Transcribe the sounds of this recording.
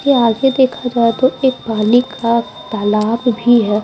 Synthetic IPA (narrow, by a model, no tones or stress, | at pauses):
eaːɡed̪eːkʰad͡ʒaːet̪oeːk̚baːlikʰa | t̪alaːbbʱiɦɛː